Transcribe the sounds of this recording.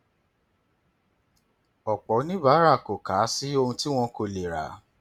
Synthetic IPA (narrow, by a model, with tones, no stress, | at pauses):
ɔ˨k͡pɔ˨˦nĩ˦ba˨˦ɾa˦˨ko˨kaː˨˦si˦o˧hũ˧ti˦w̃ɔ̃˧ko˧˨le˨ɾa̰˨˦